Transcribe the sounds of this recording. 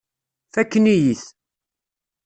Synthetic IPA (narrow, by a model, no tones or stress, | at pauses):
θækːənijiθ